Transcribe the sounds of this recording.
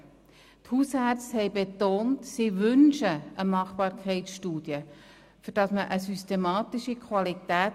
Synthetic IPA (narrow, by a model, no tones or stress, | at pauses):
thushɑrt͡shɛɪbet̪oːntsiʋʏnʃəʔəmɑχbɑːɾkʰɛɪtsʃtuːd̥jə | fʏɾd̥ɑsməʔəsystemɑːt̪iʃikʰʋɑlit̪æːt